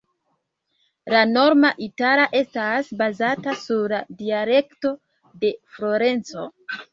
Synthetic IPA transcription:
lano̞ɾmaʔitaɾaʔe̞stasbazatasuɾladiale̞kto̞ | de̞flo̞ɾe̞nt͡so̞̰

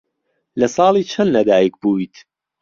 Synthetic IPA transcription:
lɐsɑːlˠiːt͡ʃʰɐnːɐd̪aːjək̚buːit̪

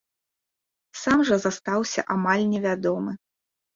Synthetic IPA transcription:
samʐɐzast̪awsʲɐ̰ʔamalʲnʲɛvʲad̪ɔmɨ

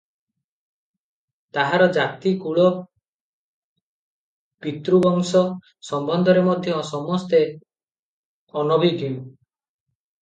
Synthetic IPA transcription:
t̪aɦaɾɔd͡ʒat̪ikuɭɔ | pit̪ɾubɔŋsɔ | sɔmbɔnd̪ʱɔɾemɔd̪ʱjɔsɔmɔst̪e | ɔnɔbʱiɡʱinu

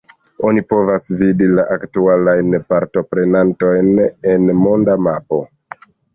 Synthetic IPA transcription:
o̞nipo̞vasvidilaʔaktualajnpaɾto̞pɾe̞nanto̞jne̞nmo̞ndamapo̞̰

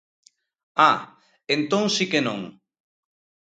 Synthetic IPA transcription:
a | ent̪õŋsikenõŋ

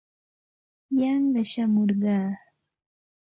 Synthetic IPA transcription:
jɑɴɢɑʃamoɾɢɑː

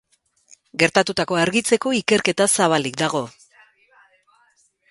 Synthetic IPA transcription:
ɡe̞ɾt̪at̪ut̪ako̞aɾɣit͡se̞ko̞ike̞ɾke̞t̪asaβ̞alik̚d̪aɣ̞o̞

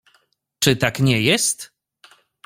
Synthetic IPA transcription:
t͡ʂɘt̪akɲɛjɛst̪

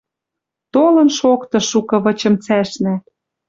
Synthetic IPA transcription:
t̪olɤ̆nʃokt̪ɤ̆ʃukɤ̆βɤ̆t͡ɕɤ̆mt͡sæʃnæ

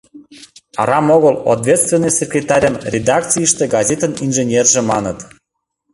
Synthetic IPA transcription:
ɑ̰ɾɑmoɣəlˠo̰t̪vʲet̪st̪vʲenːəjsʲekrʲet̪ɑɾʲəmrʲed̪ɑkt͡sijəʃt̪ĕɡɑzʲet̪əninʒenʲerʒĕmɑnət̪

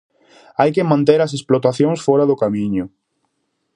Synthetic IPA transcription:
ajkemãnt̪eɾɐsesplot̪aθjõŋsfɔɾaðʊkamĩɲʊ

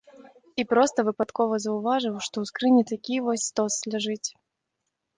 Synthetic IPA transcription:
ipɾɔst̪ɐvɨpat̪kɔvɐzɐwvaʐɨwʂt̪ɔwskɾɨnʲit̪akʲivɔsʲst̪ɔsːlʲaʐɨt͡sʲ

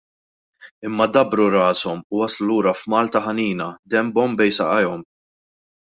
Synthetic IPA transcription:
ɪmːɐd̪ɐbɾuɾɐːsɔmʊwɐsluluːɾɐfmɐːlt̪ɐħɐniːnɐd̪ɛmbɔmbɛjsɐ̰ʔɐjɔm

